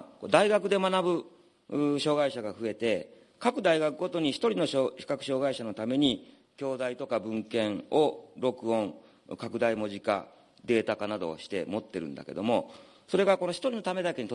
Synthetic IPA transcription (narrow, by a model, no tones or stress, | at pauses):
kod̪aiɡakɯ̟d̪e̞manabɯ̟ | ɕo̞ːɡaiɕaɡaɸɯ̟e̞t̪e̞ | kakɯ̟d̪aiɡakɯ̟ɡo̞t̪o̞ɲ̟içi̥t̪o̞ɾʲino̞ɕoçi̥kakɯ̟̥ɕo̞ːɡaiɕano̞t̪ame̞ɲ̟i | kʲo̞ːd̪ait̪o̞kabɯ̟̃ŋkẽ̞ŋo̞ɾo̞kɯ̟õ̞ŋ | kakɯ̟d̪aimo̞ʑika̰ | d̪e̞ːt̪akanad̪o̞̰ɕi̥t̪e̞mo̞t̪ːe̞ɾɯ̟̰̃nd̪a̰ke̞d̪o̞mo̞ | so̞ɾe̞ɡako̞no̞çʲi̥t̪o̞ɾʲino̞t̪ame̞d̪ake̞ɲ̟it̪o